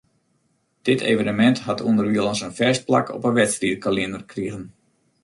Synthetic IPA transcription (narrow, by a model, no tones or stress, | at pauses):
d̥ɪtʰḛːvənəmɛnthatuəndərʋiəlˠənsənfɛst̚pla̰kʰɔ̰pənʋɛtstridkaliəndərkʰriəɣən